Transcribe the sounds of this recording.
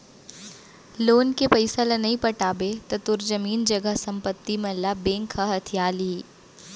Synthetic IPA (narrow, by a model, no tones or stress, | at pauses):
loːnkepɐɪsalenɐɦĩpɐʈaːbet̪ɐt̪ʊɾzɐmiːnd͡ʒɐɡəɦsɐ̃mpət̪ːimẽlabẽːŋkʰaɦɐt̪ʰijaːli